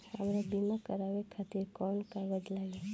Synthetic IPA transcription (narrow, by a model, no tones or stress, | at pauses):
a̰mɾabimakəɾaʋekʰat̪iɾkɔnkaʋəd͡ʒlaɡe